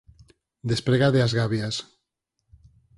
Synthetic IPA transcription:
d̪espɾeɣaðeazɣaβjas

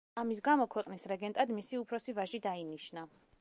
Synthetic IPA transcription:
amis̬ɡamɔkʰwɛqʼnisɾɛɡɛnt̪ʼad̪misiupʰɾɔsivaʒid̪ainiʃna

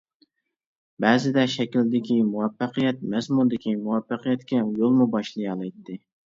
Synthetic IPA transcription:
bæːzɪd̪ɛʃɛkʲild̪ɪkʲimuwɛfːæqɨjɛt̪̚mɛzmund̪ɪkʲʰimuwɛfːɑqijɛt̪kʲɛmjolˠmubɑʃlˠɨjɑlˠɨjt̪d̪ɪ

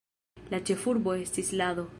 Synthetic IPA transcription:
lat͡ʃe̞fuɾbo̞e̞stislaðo̞

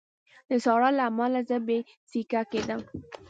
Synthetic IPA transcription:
d̪əsɑɽɑlamɑlazəbe | sikaked̪əm

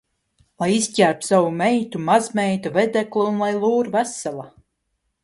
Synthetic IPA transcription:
lˠajisʲcʲæɾt̪sawumɛjt̪umazmɛjt̪uvɛd̪ækliunlˠajlˠuːɾvæsalˠa

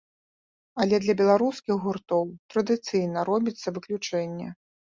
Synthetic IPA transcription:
ɐlʲɛd̪lʲɐbʲɛlˠaɾuskʲixɣurt̪ɔwt̪ɾɐd̪ɨt̪sɨjnɐɾɔbʲit̪sːɐvɨklʲut͡ʂɛnʲːɛ

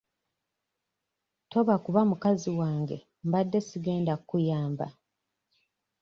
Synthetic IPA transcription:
to̞βakuβamukaziwaːŋɡe̞̰ | mbadːe̞siɡe̞ːndakːujaːmba̰

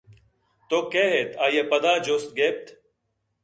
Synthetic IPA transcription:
t̪oːkeːɦeːt̪ʰaːjepəd̪aːd͡ʒoːst̪̚ɡeːp̚t̪ʰ

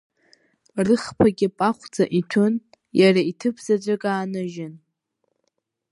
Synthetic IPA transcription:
rɨχpʰaɡʲɪpʼaχʷd͡zaʔitʰʊn | jaraitʰɨpʰzad͡ʒʷʼakʼaːnɨʒɪn

